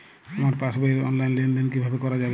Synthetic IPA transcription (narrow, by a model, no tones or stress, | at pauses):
amaɾpasbajɾɔ̰nlajnlend̪inkibʱabekɔɾad͡ʒab